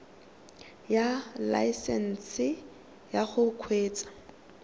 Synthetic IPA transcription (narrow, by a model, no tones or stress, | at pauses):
jala̰sɛn̩sɪ | jaχʊkʰweːt͡sʼḁ